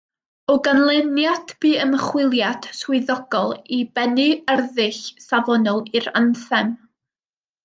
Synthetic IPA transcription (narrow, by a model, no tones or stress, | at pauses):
ɔɡanlˠɛnjadb̥iːəməχwɪlˠjad̥swɪðɔɡ̥ɔlˠibɛnɨərðɪɬsavɔnɔlˠiɾanθɛm